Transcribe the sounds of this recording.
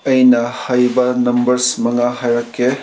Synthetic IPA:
ɐjnahajbanɐmbɐɾsmɐŋaɦajɾakːe

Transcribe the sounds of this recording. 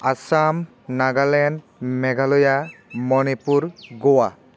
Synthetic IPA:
asam | naɡalɛn | mɛɡalɔjamɔnipuɾɡɔwa

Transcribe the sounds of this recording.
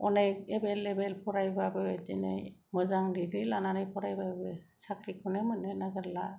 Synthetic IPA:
ɔnajkebelebelpʰɔɾajbabɯdinɯ̰jmɯzaŋdiɡɾilananɯjpʰɔɾajbabɯ | sakʰɾikʰunemɯnɯnaɡɯɾla

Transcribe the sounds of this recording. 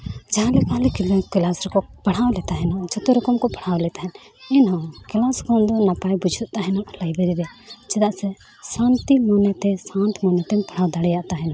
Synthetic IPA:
d͡ʒaɦãlɛkalɛkilɛkilasɾɔkɔpɐɽ̤awlɛt̪aɦɛnɔd͡ʒɔt̪ɔɾɔkɔmkɔpaɽ̤awlɛt̪aɦɛn | ɛnɦɔ̃kilaskɔnd̪ɔnapajbud͡ʒʱut̪̚t̪aɦɛnɔʔlajbɛɾibɛt͡ʃɛd̪aʔsɛ | sãnt̪imɔnɛt̪ɛsãnt̪ʰmɔnɛt̪ɛmpɐɽ̤awd̪aɽɛjaʔt̪aɦɛnɔ̃

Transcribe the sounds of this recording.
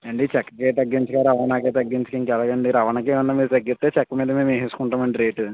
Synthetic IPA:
ɐɳɖit͡ʃɛkːɐkeːt̪̬ɐɡːiɲt͡ʃɐkaːɾɐʋɐnaːkeːt̪ɐɡːiɲt͡ʃɐ̥kɐːŋkɛlɐɡɐɳɖiɾɐʋɐnɐk̬eːunːaːmiːɾut̪ɐɡːit̪ːeːt͡ʃɛkːɐmiːd̪ɐmeːmeɦesu̥kuɳʈaːmɐɳɖiɾeːʈu

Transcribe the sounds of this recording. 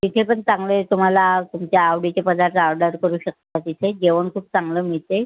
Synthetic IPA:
t̪it̪ʰepəɳt͡saŋɡlet̪um̤alat̪umt͡ɕjaːwɽit͡ɕepəd̪aɾt̪aɾɖəɾt̪̚kəɾuːɕək̚t̪at̪it̪ʰed͡ʑeʋəɳkʰuːp̚t͡saŋɡləːmiɭt̪e

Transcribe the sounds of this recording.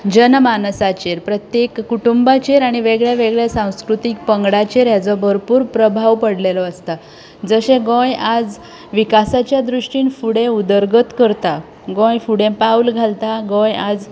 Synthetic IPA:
d͡ʑənmansat͡ɕeɾpɾət̪jekːuʈumbat͡ɕeɾaɽ̃iʋeɡɭjaʋeɡɭjasãw̃skɾut̪ik̚pəŋɡɽat͡ɕeɾjat͡sɔbʱəɾpuːɾpɾəbʱaʋpəɽlelɔəst̪a | d͡zəɕẽɡõjad͡z | ʋikasat͡ɕjad̪ɾuʂʈiːnfuɽẽud̪əɾɡət̪kəɾt̪a | ɡõjfuɽẽpawlɡʱalt̪aɡõjad͡z

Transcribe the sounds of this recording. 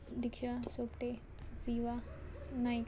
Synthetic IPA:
d̪ikʃasopʈe | siʋanajk

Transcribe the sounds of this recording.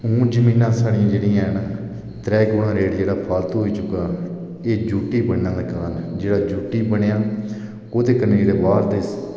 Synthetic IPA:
ũːd͡ʒəmiːnãːsaːɽijãːd͡ʒeːɽijãɦnː | t̪ɾɛːɡoːɽãːɾeːɽd͡ʒeːɽaːpʰaːlt̪ɦoːiːt͡ʃʊkːaː | eːd͡ʒuːʈiːbəɽnãːlaːkaːnd͡ʒeːɽaːd͡ʒuːʈiːbəɽ̃ejaː | oːt̪eːkəneːd͡ʒeːɽeːbaːɾd̪eːs

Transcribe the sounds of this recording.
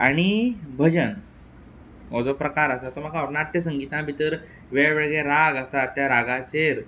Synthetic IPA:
aɽ̃ibʱəd͡ʑən | ɔd͡zɔpɾəkaɾasat̪ɔm̤aɡaɔɾnaʈ̪ːəs̬əŋɡit̪ãbʱit̪əɾ | ʋeʋeɭɡɭeɾaɡasat̪ːjaɾaɡãt͡ɕeɾ

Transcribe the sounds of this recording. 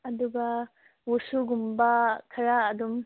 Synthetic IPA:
ɐd̪uɡɐ | wusuɡumbɐkʰɐɾaːd̪um

